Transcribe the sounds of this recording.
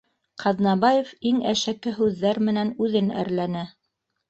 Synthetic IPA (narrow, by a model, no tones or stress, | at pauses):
qʰɑðnɑβɑjefiŋæʃækːɘɦʉðːæɾmɘ̆nænʉðɘnæ̰ɾlænɘ